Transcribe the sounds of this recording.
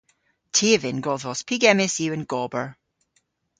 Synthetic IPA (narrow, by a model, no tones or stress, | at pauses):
tʰevɪ̃nɡɔðɔspʰiɡɛmɛsiə̃nɡ̥ɔbə˞